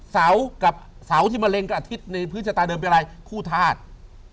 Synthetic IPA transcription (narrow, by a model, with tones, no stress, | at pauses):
sa˩˦˥wka˨˩p̚sa˩˦wt̪ʰi˥˩maː˧le˧ŋka˨˩ʔa˩t̪ʰi˦˥t̪̚na˧jpʰɯ˦˥t͡ɕʰa˧t̪aː˧dɤː˧mpa˧ɾa˧jkʰuː˥˩t̪ʰaː˥˩t̪̚